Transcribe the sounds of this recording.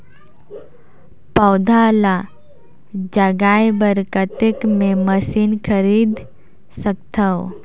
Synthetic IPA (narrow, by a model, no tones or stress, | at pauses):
pɐːd̪ʱala | d͡ʒaɡaːjbəɾkət̪ekmẽməsiːnkʰəɾiːd̪ | sək̚t̪ʰəw